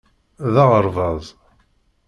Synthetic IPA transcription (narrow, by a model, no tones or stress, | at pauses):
ðɑʁəɾˤvɑðˤ